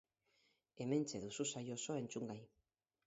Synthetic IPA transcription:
e̞me̞nt͡se̞ðususajo̞so̞e̞nt͡suŋɡaj

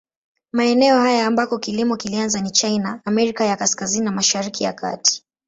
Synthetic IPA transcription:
maɛnɛɔhajaːmbakɔkilimɔkilianzanit͡ʃajnaːmɛɾikajakaskazininamaʃaɾikija̰ka̰ti̥

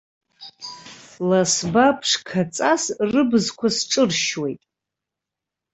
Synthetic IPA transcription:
lasbapʰʂkʰat͡sʼasrɨbɨzkʷʰasʈ͡ʂʼɨrʃwe̞jtʼ

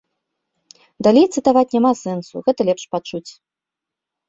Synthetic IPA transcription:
d̪alʲejt̪sɨt̪avat͡sʲnʲamasɛnsṵɣɛt̪ɐlʲɛpʂpat͡ʂut͡sʲ

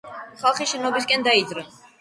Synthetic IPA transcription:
χalˠχiʃɛnɔbiskʼɛnd̪aid̪zɾɛ

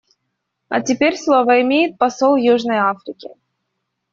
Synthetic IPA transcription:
ɐ̰tʲɪpʲeɾʲslˠovəɪmʲejɪt̪̚pɐsolˠjuʐnəjafɾʲɪkʲɪ̰

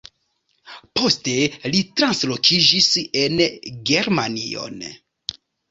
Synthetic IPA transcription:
po̞ste̞litɾanslo̞kʰid͡ʒise̞nɡe̞ɾmanḭo̞̰n

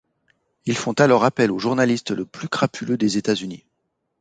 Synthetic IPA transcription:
ilfɔ̃t̪alɔʁapɛloʒuʁnalist̪ləplykχapʰylød̪ezet̪azyni

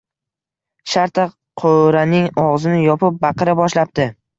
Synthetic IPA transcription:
ʃaɾt̪ʰa | qʰoɾanɪŋɒʁzɪnɪjɒpɪp̚bɑqɨɾɪbɒʃlap̚t̪ɪ

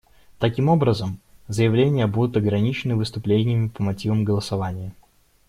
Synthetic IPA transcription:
t̪ɐkʲimo̞bɾəzəmzəjɪvlʲenʲɪjəbud̪ʊt̪ɐɡɾɐnʲit͡ɕɪnɨvɨst̪ʊplʲenʲɪjəmʲɪpəmɐtʲivəmɡəlˠəsɐvanʲɪjə

